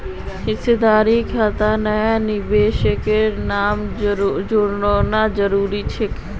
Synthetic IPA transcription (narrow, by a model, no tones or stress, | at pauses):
ɦɪsed̪aːɾikʰat̪anɐjanɪbeːʃəkenaːmd͡ʒʊɽnonad͡ʒəɾuːɾit͡ʃʰek